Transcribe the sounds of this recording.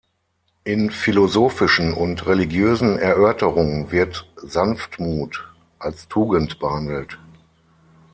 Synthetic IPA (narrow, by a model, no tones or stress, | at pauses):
ʔɪnfilozoːfɪʃn̩ʊntʁeliɡjøːzn̩ɛɐʔœɐtəʁʊŋənvɪɐtz̥anftmuːt | ʔalstʰuːɡəntb̥əhandl̩t